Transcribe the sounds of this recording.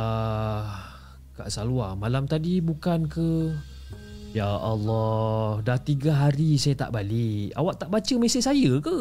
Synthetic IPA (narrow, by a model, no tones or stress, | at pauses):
a | ka̰ʔsaluamalamt̪adibukankə | jaʔːlːɔhdaht̪iɡaɦaɾisajat̪a̰ʔbaliʔa̰waʔt̪aʔbat͡ʃəmesesajəkə